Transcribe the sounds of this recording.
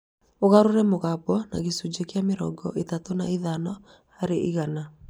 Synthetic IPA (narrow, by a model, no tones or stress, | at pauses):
oɣaɾoɾɛmoɣabɔna̰ɣesud͡ʒekeameɾɔ̰ɡɔ̰ʔetatona̰iðanɔ | haɾeʔiɣana